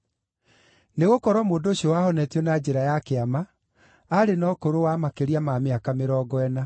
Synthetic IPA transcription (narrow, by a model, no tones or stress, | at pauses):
neɣokɔɾwɔmoːndoɕiɔwahɔnɛtjɔnad͡ʑeɾajakeamaː | ɾenɔkoɾowamakeɾiamameakameɾɔːɡɔɛna